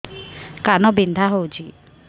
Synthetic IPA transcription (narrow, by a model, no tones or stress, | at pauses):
kanɔbind̪ʱaɦowt͡ʃʰi